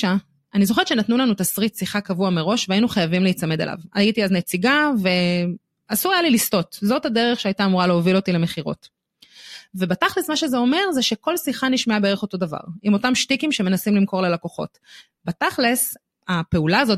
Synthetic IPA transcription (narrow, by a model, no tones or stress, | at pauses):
a | anizoχeʃe̞natnulanutasʁitsiχakavuameʁo̞ʃveainuχajavimleit͡same̞dḛlʔa̰vajitiaznet͡siɡave̞ | asuajalilisto̞tzo̞thadeʁeχʃeajtaːmuʁaleovilo̞tile̞me̞χiʁo̞̰t | ve̞bataχlesmaʃezeo̞me̞ʁzeʃe̞ko̞lsiχaniʃmeabeeʁeχo̞to̞dava̰ʁimo̞tamʃtikimʃe̞me̞nasimlimko̞ʁlelakoχo̞̰t | bataχles | ape̞ulaːzo̞t